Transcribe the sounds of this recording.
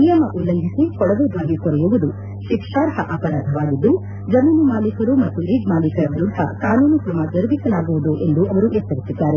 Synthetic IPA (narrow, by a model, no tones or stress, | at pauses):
nijɐmɐʔulːɐŋɡʱisekɔɽɐd̪ud̪ʱaːɡikɔɾɐjuʋɐd̪u | ʃikʂaːɾɦɐʔaːpɐɾaːd̪ʱɐʋaːɡid̪ːu | d͡ʒɐmiːnumaːlikɐɾumɐt̪ːuɾiːɡmaːlikɐɾɐbɾud̪ʱːɐ̰kaːnuːnukɾɐmad͡ʒɐɾbisɐlaːɡuʋud̪uʔe̞nd̪uʔɐʋɐɾujɐt̪ːɐɾisid̪ːaːɾe